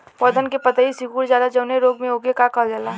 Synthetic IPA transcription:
pɔd̪ʱənkepət̪aisɪkuːɾd͡ʒaːd̪ad͡ʒɐʊneɾoːɡmẽoɡekakəld͡ʒala

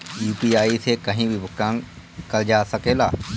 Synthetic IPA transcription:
juːpiːaːiːseːkəɦĩːbʱibʊkãːŋ | kəld͡ʒaːsəkeːlaː

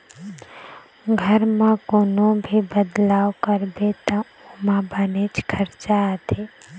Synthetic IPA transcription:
ɡʱəɾmãkoːnõbʱibəd̪laːwkəɾbet̪ã | omãbənet͡ʃkʰəɾt͡ʃat̪e

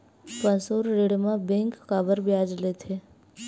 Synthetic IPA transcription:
pə̃soɾɾeɽmãbẽŋkːabəɾbjad͡ʒlet̪ʰe

